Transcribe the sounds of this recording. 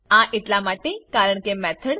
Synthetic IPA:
ãʔeʈ̪lamaʈekaɾəɳkemɛt̪ʰəɽ

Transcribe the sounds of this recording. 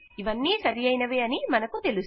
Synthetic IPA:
iʋɐnːiːsɐɾijɐjnɐʋeːɐnimɐnɐkut̪e̞lus

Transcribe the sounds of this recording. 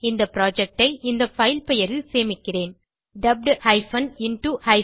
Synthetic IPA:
ɪnd̪ɐpɪɾaːd͡ʒɛk̚ʈɐɪʔɪnd̪ɐfɐɪlpɛjɐɾɪlseːmɪkːɪreːn | ɖɐb̚ɖhɐɪfɐnɪnʈuhɐɪ

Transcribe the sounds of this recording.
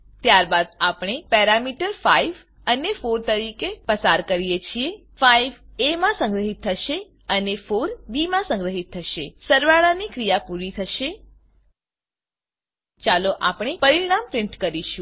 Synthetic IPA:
t̪jaɾbad̪̚apɽ̃epɛɾamiʈəɾfaiʋ | ənefoɾt̪əɾikepəsaɾkəɾijet͡ʃʰie | fajʋemãsə̃ŋɡɾəɦit̪ʰːəʃe | ənefoɾbimãsə̃ŋɡɾəɦit̪ʰːəʃesəɾʋaɭanikɾijapuɾit̪ʰəʃe | t͡ʃaloʔa̰pɳ̃epəɾiɽ̃ampɾɪɳʈkəɾiʃũ

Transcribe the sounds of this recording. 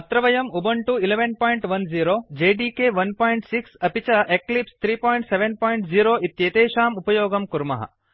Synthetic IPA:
ɐt̪ɾɐʋɐjɐmubɐɳʈuileʋenpoːjɳʈʋɐnziːɾoːd͡ʒeːɖiːkeːʋɐnpaːjiɳʈsiksɐpit͡ʃɐʔeklipst̪ʰɾiːpoːjɳʈseʋenpoːjɳʈziːɾoːʔit̪jeːt̪eːʃaːmupɐjoːɡɐmkuɾmɐ̰ɦɐ̰

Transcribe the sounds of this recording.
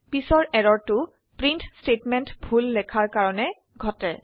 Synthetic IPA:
pisɔɹɛɹɔɹtʊ | pɹintstetmɛntbʱulːɛkʰaɹkaɹɔnɛ | ɡʱɔtɛ̰

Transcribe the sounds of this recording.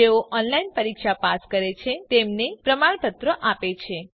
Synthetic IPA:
eoʔɔnlainpəɾikʃapaskəɾet͡ʃʰet̪emnepɾəmaɳ̃pət̪ɾəʔapet͡ʃʰe

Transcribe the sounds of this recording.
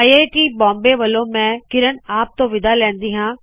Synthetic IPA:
ieːʈiːbɔ̃ːmbeʋɐlõmɛ̃kɪɾənaːp̚t̪õʋɪd̪alɛ̃ːnd̪iːɦãː

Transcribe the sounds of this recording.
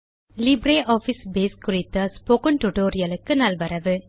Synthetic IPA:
lɪbɾeːʔoːfisbeːskʊrɪt̪ːɐspokɐnʈʊʈoːɾɪjɐlɯkːɯnɐlʋɐɾɐʋɯ

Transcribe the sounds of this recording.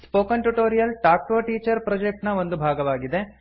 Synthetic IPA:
spoːkɐnʈuʈoːɾijɐlʈaːk̚ʈoːʈiːt͡ʃɐɾpɾɔd͡ʒek̚ʈnɐo̞nd̪ubʱaːɡɐʋaːɡid̪e̞

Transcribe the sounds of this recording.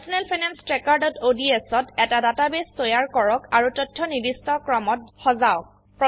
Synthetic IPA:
sɔnelpʰajnɛnstɹɛkaɹdɔtodiesɔtɛtadatabestɔjaɹkɔɹɔkaɹutɔtʰːɔnidistɔkɹɔmɔt̚xɔzaɔk̚ | pɹɔ

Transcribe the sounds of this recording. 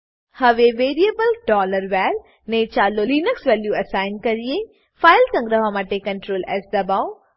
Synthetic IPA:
hɐʋeʋeːɾijebəlɖɔːləɾʋɛːl | nẽt͡ʃaːloliːnəksʋɛːljuɐsaːɪnkɐɾie | faːɪlkɐ̃ŋɡɾəɦamaʈekɐ̃ɳʈɾoːlɛːsd̪ɐbaːʊ

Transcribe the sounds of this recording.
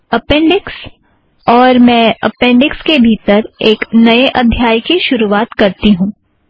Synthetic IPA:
ɐpɛ̃ːɳɖɪks | ɔːɾmɛ̃ːɐ̰pɛ̃ːɳɖɪkskebʱiːt̪əɾeːknɐeʔɐd̪ʱːjaːjkiʃʊɾuaːt̪kɐɾt̪iɦũː

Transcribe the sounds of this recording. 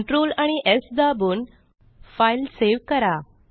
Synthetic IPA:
ɳʈɾoːlaɽ̃iʔesd̪abuːn | failseʋkəɾa

